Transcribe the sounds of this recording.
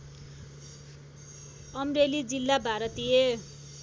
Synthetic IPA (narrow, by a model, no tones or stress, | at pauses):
ʌmrelid͡zilːabʱaɾʌt̪ije